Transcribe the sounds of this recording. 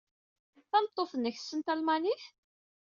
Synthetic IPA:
θænət̪ˤːoθənːəçə̥sːənt̪ælmæniθ

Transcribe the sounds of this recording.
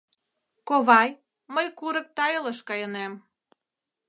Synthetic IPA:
koβɑj | məjkuɾə̆k̚t̪ɑjɤləʃkɑjɤnem

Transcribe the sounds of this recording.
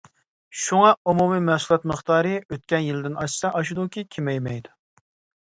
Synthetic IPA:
ʃuŋɑumumimɛsulˠɑt̪məχt̪ɑːɾɨøt̪̚kʲɛnjilɪd̪ɪnɑʃsɑʔɑʃud̪ukʲʰikʲʰemɛjmɛjd̪u

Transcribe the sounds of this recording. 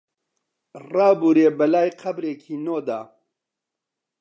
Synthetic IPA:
raːbuːɾeːbɐlaːjqʰɐbɾeːkʰiːnoːd̪aː

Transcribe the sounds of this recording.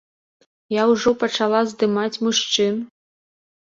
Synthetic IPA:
jawuʐɔpɐt͡ʂalˠazd̪ɨmat͡sʲmuʂt͡ʂɨn

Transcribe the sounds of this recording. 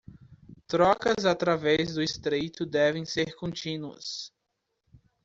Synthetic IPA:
t̪ɾɔkɐzat̪ɾavɛzd̪ʊɪst̪ɾejt̪ʊd̪ɛvẽj̃seɾkõnt͡ʃĩnuɐ̰s

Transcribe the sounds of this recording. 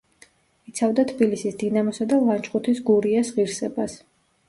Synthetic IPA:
it̪sʰavd̪at̪ʰbilisisd̪inamɔsad̪alˠant͡ʃʼχʼut̪ʰisɡuɾiasʁiɾsɛbas

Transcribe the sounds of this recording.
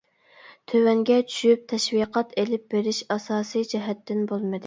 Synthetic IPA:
t̪ʰøwɛŋɡʲɛt͡ʃʰy̥ʃyp̚t̪ʰɛʃwiqʰɑt̪elɪp̚beɾɪʃɑsɑːsijd͡ʒɛɦɛt̪ːɪnbolˠmɨd̪ɪ

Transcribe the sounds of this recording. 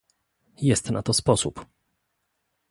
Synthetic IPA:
jɛst̪na̰t̪ɔspɔsṵp

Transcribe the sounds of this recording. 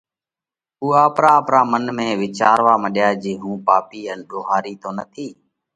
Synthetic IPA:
uːaːpɾaːəpɾaːmənmẽːʋɪt͡ʃaːɾʋaːməɗjaːd͡ʒiːɦũːpaːpiːənɗoːɦaːɾiːt̪oːnət̪ʰiː

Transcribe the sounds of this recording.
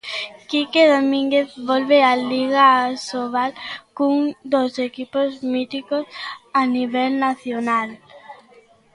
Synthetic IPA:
kikeðomĩŋɡeθβɔlβealiɣasoβalkuŋd̪osekipozmit̪ikosaniβ̞ɛlnaθjonal

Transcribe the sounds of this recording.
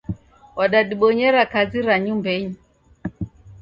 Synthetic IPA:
waɗaɗiɓɔɲɛɾakaziɾaɲumbɛɲi

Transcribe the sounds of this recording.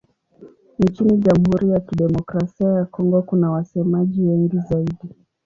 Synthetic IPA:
n̩t͡ʃiniʄam̩huɾijakiɗɛmɔkɾasiajakɔŋɡɔkunawasɛmaʄiwɛŋɡizaiɗi

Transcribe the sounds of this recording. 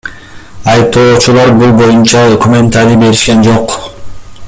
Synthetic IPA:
ɑjɯp̚t̪o̞ːt͡ʃulˠɑɾbulˠbo̞junt͡ʃɑd̪okumʲe̞nt̪aɾibe̞ɾiʃkend͡ʒo̞q

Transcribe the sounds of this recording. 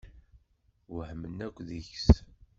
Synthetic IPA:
wəhmənːækʷːðəçs

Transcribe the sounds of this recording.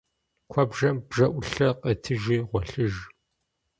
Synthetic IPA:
kʷʰɔbʒɐmb̥ʒɐʔʷʊɬɐqɐtʰɨʒiːʁʷɔɬɨʒ

